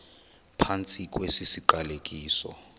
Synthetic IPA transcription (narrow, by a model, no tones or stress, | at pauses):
pʰant͡sʼikʼwesisiǃalekʼiːsɔ̰